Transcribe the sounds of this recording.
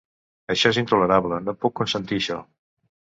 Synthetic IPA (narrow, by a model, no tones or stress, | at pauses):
əʃɔezint̪uləɾaβlənopukːunsənt̪iʃɔ